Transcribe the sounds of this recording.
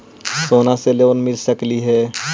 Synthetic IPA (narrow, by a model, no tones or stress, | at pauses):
soːnaseleʋənmɪlsəkliɦɛː